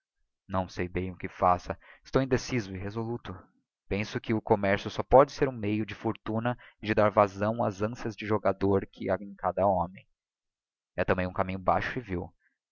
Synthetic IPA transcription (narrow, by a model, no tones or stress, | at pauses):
nɐ̃w̃sejbẽj̃ʊkɪfasɐɪst̪owẽd̪esizʊɪɦezolut̪ʊ | pẽsʊkɪʊkomɛɾsjʊsɔpɔd͡ʒɪseɾũmejʊd͡ʒɪfoɾt̪unɐd͡ʒɪd̪aɾvazɐ̃w̃a̰zɐ̃siɐzd͡ʒɪʒoɡad̪oɾkʰɪaẽj̃kad̪ɐõmẽj̃ | ɛt̪ɐ̃mbẽj̃ũkamĩɲʊba̰ʃʊɪviw